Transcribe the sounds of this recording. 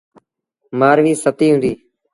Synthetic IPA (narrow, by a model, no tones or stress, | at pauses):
maːɾʋiːsət̪iːɦũːnd̪iː